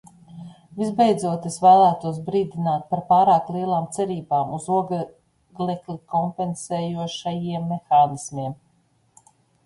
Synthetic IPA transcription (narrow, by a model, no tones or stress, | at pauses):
vizbejd̪zuɔt̪esvæːlˠæːt̪uɔs̬bɾiːd̪inaːt̪̚paɾpaːɾaːklˠiɛlˠaːmt̪sɛɾiːbaːmuzuɔɡ | ɡlʲɛklʲikɔmpensɛːjuɔʃajiɛmːexaːnismiɛm